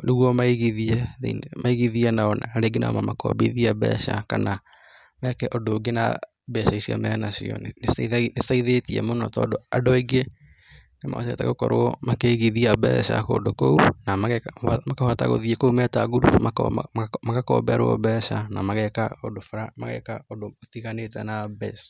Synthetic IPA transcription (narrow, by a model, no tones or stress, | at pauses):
nuɣwɔmaiɣiðiɛ̰mʔaiɣiðiɛnaɔnaaɾeɡena̰ɔ̰mamakɔ̰bḛðiaβɛ̰ʃa̰kana | nɛkɛʔɔdoːɡena̰ | bɛʃaisia̰mɛnasḭɔ̰neinetaiðetiɛ̰monɔtɔ̰ːdoadɔiɡe | nema̰tetaɣokɔɾoɔmakeɣiðiabɛ̰ʃa̰ko̰ːdokounamamakahata̰ɣo̰ðiekoumɛtaɣuɾṵfma | makakɔ̰ːbɛɾoɔ̰bɛʃanamaɣɛkaodofɾamaɣɛ̰kaodotiɣanetɛnabɛ̰s